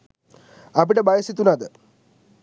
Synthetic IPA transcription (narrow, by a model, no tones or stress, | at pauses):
ɐbiɽebʱɐjɐsit̪ːunɐðɨ